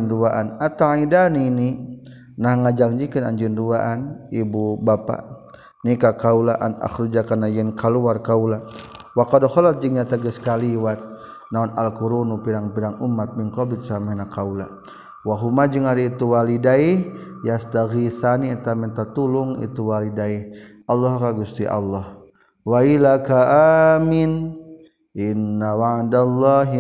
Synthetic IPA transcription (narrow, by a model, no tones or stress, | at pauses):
nduaʔanat̪aidanini | nahŋad͡ʒaŋd͡ʒikəna̰ɲd͡ʒənduaʔanibubapa̰ | nikakaulaʔa̰na̰xɾud͡ʒakanajɛnkaluarkaulawakadɔhɔlat̪̚d͡ʒəŋɲat̪aɡəskaliwat̪̚ | naɔna̰lkuɾunupiɾaŋpiɾaŋumat̪̚miŋkɔbit̪samɛhnakaula | waɦumad͡ʒəŋaɾiit̪uwalidaihjast̪aɣiθanit̪amɛnt̪at̪ulʊŋḭt̪uwalidaihʔalːɔɦkaɡust̪iʔa̰lːɔh | wailakaʔamin | ʔinːawaʕdalːɔɦ